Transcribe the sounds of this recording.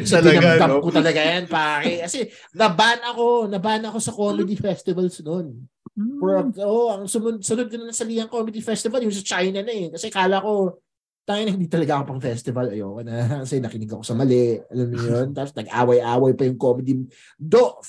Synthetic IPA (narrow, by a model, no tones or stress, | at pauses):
sɐlinɐmd̪ɐkʊt̪ɐlɐɡajanpaːkɪkɐsɛ | nɐbanɐʔɐko̞nɐbaːnɐɐko̞sɐko̞mɛd̪ifɛst̪ɪvɐlsnon | pɔɹɐʔoʔʔɐŋsʊmʊd̪̚sɐnod̪̚konɐnɐsɐliːhɐŋkomɪd̪ifɛst̪ɪvɐljʊŋs̬ɐt͡ʃajnɐnɐjɛnkɐsɛkaːlɐko̞ | t̪aːŋɪnɐhɪnd̪iːt̪ɐlɐɡaʔɐkopɐŋfɛst̪ɪvɐlɐjoːkɐnɐkɐsɛnɐkɪnɪɡoʔɐko̞sɐmɐlɛɐlamnɪjont̪aːposnɐɡʔa̰ːwɐjʔaːwɐjpɐjʊŋkoːmɛd̪i | d̪oʔ